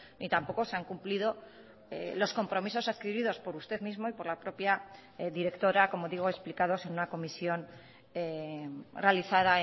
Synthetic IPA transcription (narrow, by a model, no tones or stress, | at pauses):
nit̪ampo̞ko̞seaŋkumplið̞o̞ | elo̞sko̞mpɾo̞miso̞sað̥kiβið̞o̞spo̞ɾust̪e̞ðmizmo̞ipo̞ɾlapɾo̞pja | ðiɾe̞kt̪o̞ɾako̞mo̞ðiɣ̞oe̞splikaðo̞se̞nunako̞misjo̞n | e | re̞aliθaða